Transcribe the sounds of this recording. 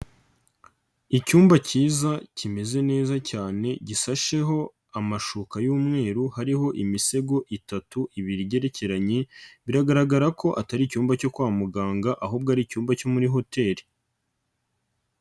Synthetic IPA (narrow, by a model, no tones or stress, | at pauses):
icuːmbaciːzacime̞ze̞ne̞ːzacaːne̞ɟisaʃe̞ɦo̞ | amaʃukajuːmŋe̞ːɾuhaɾiho̞ʔimise̞ɡo̞ʔitatuʔiβiɾiɟe̞ɾe̞ce̞ɾaɲeβiɾaɡaɾaɡaɾako̞ʔataɾicuːmbaco̞kwaːmuɡaːŋɡaʔaɦub̚ɡaːɾicuːmbaco̞muɾiɦo̞te̞ːɾi